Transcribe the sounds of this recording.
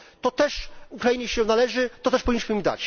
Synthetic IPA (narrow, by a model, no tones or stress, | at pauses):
t̪ɔt̪ɛʂukɾajiɲɛɕɛnalɛʐɘt̪ɔt̪ɛʂpɔvʲiɲʲːiʃmɘmid̪a̰t͡ɕ